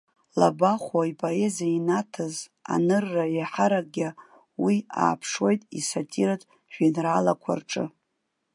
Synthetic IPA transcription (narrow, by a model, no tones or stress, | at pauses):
labaχʷaipʼoe̞zainatʰɨza̰nɨrːajaħaɾaɡʲa | wia̰ːpʰʂwo̞jtʼḭsatʼiɾatʼ | ʒᶣinralakʷʰa̰rʈ͡ʂʼɨ